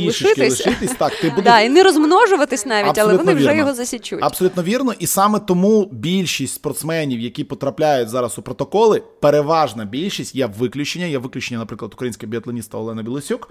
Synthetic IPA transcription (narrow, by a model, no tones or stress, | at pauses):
bʲilʃɪt͡ʃk̪lˠɪɪt̪ɪsʲt̪ɑk̚t̪ɪbud̪inɪɾɔzmnɔʒʊʋɐt̪ɪsʲnɑʋʲiɐbtʲɐlˠɛluʋɔnɪwʲiʒɛjɔɦɔzɐsʲit͡ʃṵtɐ̥sɔlʲut̪nɔʋʲirnɔʔisɑmɛt̪ɔmubʲilʲʃisʲtʲspɔrt̪smɛnʲiwjɐkʲipɔt̪ɾɐplʲajʊtʲzɑɾɐsʊpɾɔt̪ɔkɔlˠɪpeɾeʋɑʒnɐbʲilʲʃisʲtʲjɛʋɪklʲʊt͡ʃenʲːɐjɛʋɪklʲʊt͡ʃenʲːɐnɐpɾɪklˠɐd̪ʊ̥kɾɐjinsʲkʲɪɦbʲiɐt̪lˠɐnʲist̪ɐɔlˠɛnɐbʲilˠɪsʲuk